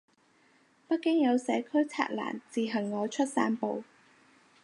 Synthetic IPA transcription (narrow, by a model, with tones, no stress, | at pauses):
pɐ˥t̚kɪ˥ŋjɐ˨˧wsɛː˨˧kʰɵ˥ɥt͡sʰa̰ː˧˥t̚la̰ː˨˩nt͡siː˨ɦɐ˨˩ŋːɔː˨˧t͡ʃʰɵ˥t̚saː˥npo˨w